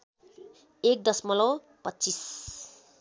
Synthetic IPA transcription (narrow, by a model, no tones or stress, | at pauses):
ek̚d̪ʌsmʌlo | pʌtːt͡sis